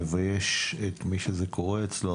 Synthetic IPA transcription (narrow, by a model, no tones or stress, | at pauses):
vajeʃet̪miʃezekʰoʁeːt͡slo